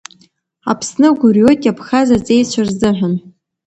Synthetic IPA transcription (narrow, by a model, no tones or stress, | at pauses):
apʰsnɨɡʷʊrjo̞jtʼjapʰxazat͡sʼejt͡ɕʷʰarzɨħᶣʷan